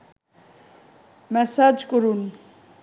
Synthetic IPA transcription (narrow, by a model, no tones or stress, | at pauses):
mɛsad͡ʒkʼuɾun